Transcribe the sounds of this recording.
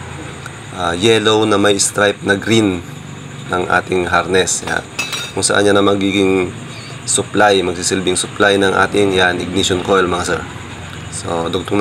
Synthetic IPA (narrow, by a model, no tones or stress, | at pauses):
ʔajɛlo̞wnɐmɐjst̪ɾajp̚nɐɡɾin | nɐŋʔa̰ːt̪ɪŋɦaɾnɛsa̰kʊŋsɐ̰ʔa̰nɲanɐmɐɡiːɡɪŋ | sʊplajmɐɡ̚siːsɪlbɪŋsʊplajnɐŋʔa̰ːt̪ɪŋjanɪɡ̚niʃonkojlmɐŋasɛ | so̰d̪ʊɡ̚t̪ʊŋ